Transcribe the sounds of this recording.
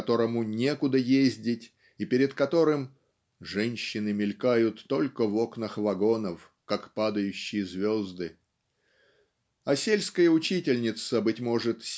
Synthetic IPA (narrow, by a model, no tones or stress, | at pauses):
t̪o̞ɾəmʊnʲe̞kʊd̪əjezʲdʲɪtʲ | ipʲɪɾʲɪt̪kɐt̪o̞ɾɨm | ʐɛnʲɕːɪnɨmʲɪlʲkajʊt̪ːo̞lʲkəvo̞knəxvɐɡo̞nəf | kakpad̪əjʉɕːɪjəzvʲo̞zd̪ɨ | ɐsʲelʲskəjəʊt͡ɕitʲɪlʲnʲɪt̪səbɨtʲmo̞ʐɨt̪sʲ